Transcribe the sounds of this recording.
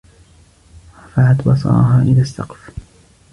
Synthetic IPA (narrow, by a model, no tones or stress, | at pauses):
afaʕat̪bɑsˤɑ̰ːɦaːʔɪlasːɑ̰qf